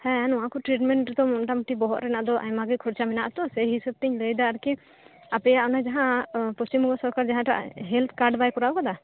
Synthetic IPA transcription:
hɛ̃nɔwakɔʈɾiʈ̬mɛɳʈɾɛt̪ɔmɔnʈamʈibɔɦɔʔ̪ɾɛnaʔd̪ɔʔa̰ɲmaɡikʰɔɾt͡ʃamɛnaʔt̪ɔsɛjɦisəb̚t̪ɛɲləjd̪aːɾki | apɛjaʔɔnad͡ʒaɦãpust͡ʃimuɡɔsɔɾkaɾd͡ʒaɦãʈa̰ʔɦɛlt̪ʰkaɾɖbajkɔɾaɔkad̪a

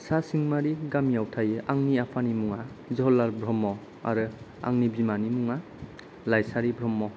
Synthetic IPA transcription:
sasiŋmaɾiɡamijawtʰajɯʔaŋniapʰanimuŋa | zɔɦɔlaɾbɾɔmːɔ | a̰ɾɯ | a̰ŋnibimanimuŋa | lajsaɾibɾɔmːɔ

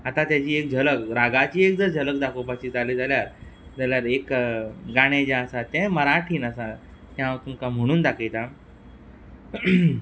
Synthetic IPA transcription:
at̪at̪jat͡ɕiːek̚d͡ʑʱələkɾaɡat͡ɕiːek̚d͡zəɾd͡ʑʱələk̚d̪akʰopat͡ɕiːd͡zalid͡zaljaɾ | d͡zaljaɾekɡaɽ̃ed͡ʑãəsat̪ɛ̃məɾaʈʰiːnəsa | t̪jãʋt̪umkam̤əɽ̃uːnd̪akʰejt̪a

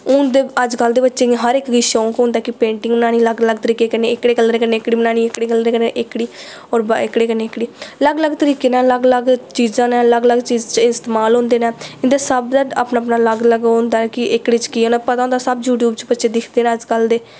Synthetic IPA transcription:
ʊnd̪eːəd͡ʒkəld̪eːbətːʃeːɦəɾɪkiʃoːkɦʊ̃nd̪aɛːkɪpẽːɳʈɪ̃ŋɡmənaːñiːləɡləɡt̪əɾiːkeːkəneːɪkɽeːkəlɾeːkəneːɪkɽiːmənaːniːɪkɽeːkəlɾeːkəneʔɪkɽiː | ɔːɾbɪkɽeːkəneːkːɽiːləɡləɡt̪əɾiːkeːnɛ̃ːləɡləɡt͡ʃiːzãːnɛ̃ːləɡləɡt͡ʃiːzt͡ʃɪst̪eːmaːlɦõːnd̪eːnɛ̃ːɪnd̪eːsəbd̪əaːpnaːpnaːləɡləɡɦõːnd̪aːnːkɪʔɪkɽiːt͡ʃkiːõːnapət̪aːʊ̃nd̪aːsəbjuːʈjuːbt͡ʃbətːʃeːd̪ɪkʰd̪eːnɛ̃ːəd͡ʒkəld̪eː

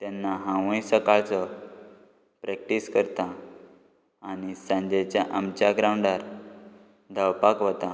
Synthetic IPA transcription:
t̪janːaɦãʋə̃jsəkaɭt͡sɔ | pɾɛk̚ʈiskəɾt̪a | ɽ̃isãɲd͡ʑet͡ɕjaʔamt͡ɕaɡɾãwɳɖaɾ | d̪ʱawpakɦot̪a

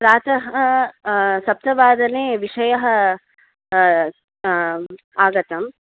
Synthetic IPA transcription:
pɾaːt̪ɐɦɐ | sɐp̚t̪ɐʋaːd̪ɐneːʋiʂɐjɐɦɐ̆ | aːɡɐt̪ɐm

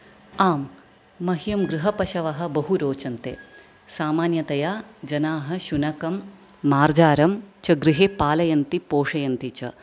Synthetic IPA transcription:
aːmː | ɐɦjɐmɡɾuɦɐpɐʃɐʋɐɦɐ̆bɐɦuɾoːt͡ʃɐnt̪ḛː | saːmaːnjɐt̪ɐjaːd͡ʒɐnaːɦɐ̆ʃunɐkɐmː | aːɾd͡ʒaːɾɐmt͡ʃɐɡɾiɦeːpaːlɐjɐnt̪ipoːʂɐjɐnt̪it͡ʃɐ̰

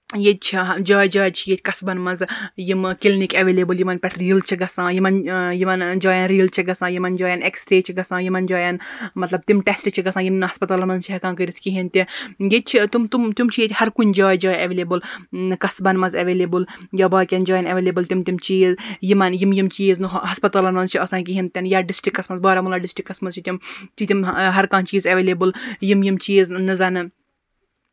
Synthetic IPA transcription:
jet͡ʃʰid͡ʒaːjd͡ʒaːjt͡ʃʰijet̪ʰʲkɐsbɐnmɐnzjimkilnikɐʋeːleːbɨljimɐnpʲɛʈʰɾiːlt͡ʃʰiɡɐsãːjimɐnjimɐnd͡ʒaːjɐnɾiːlt͡ʃʰiɡɐsãːjimɐnd͡ʒaːjɐneksʈɾeːt͡ʃʰiɡɐsãːjimɐnd͡ʒaːjɐnmɐt̪lɐbt̪imʈesʈt͡ʃʰiɡɐsãːjimnɦɐspɐt̪aːlmɐzt͡ʃʰiɦɐkãːkəɾit̪ʰkiɦint̪ijet͡ʃʰit̪umt̪umt̪umt͡ʃʰijet̪ʲhɐɾkunʲd͡ʒaːjd͡ʒaːjɐʋeleːbɨlkɐsbɐnmɐzɐʋeːlebɨljɐːbaːkʲɐnd͡ʒaːjɐnɐʋeːleːbɨlt̪imt̪imt͡ʃiːzjimɐnjimjimt͡ʃiːznɨɦɐspɐt̪aːlɐnmɐnzt͡ʃʰiɐsãːnk̬iɦint̪ʲɐnjaɖisʈikːɐsmɐnzbɐːɾɐmulɐːɖisʈikːɐsmɐzt͡ʃʰit̪imt͡ʃ̪ʰit̪imɦɐɾkãːnt͡ʃiːzɐʋeːlebɨljimjimt͡ʃiːznɨzɐnɨ

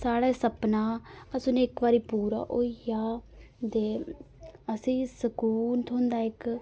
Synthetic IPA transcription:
saːɽɛːsəpnaːəsʊnɪkʋaːɾiːpuːɾa̰ːʔoijaːd̪eː | əsĩːsəkuːnt̪ʰõːnd̪aːɪk

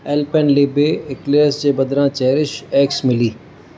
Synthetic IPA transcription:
ɛːlpenleːbeɪkleːɾsd͡ʑeːbɐd̪ɾãt͡ɕɛɦɾɪʃɛːksmɪliː

